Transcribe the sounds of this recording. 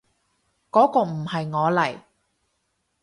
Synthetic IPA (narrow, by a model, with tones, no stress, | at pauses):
kɔː˨˥kɔː˧m̩˨˩hɐ˨jŋɔː˨˧lɐ˨˩j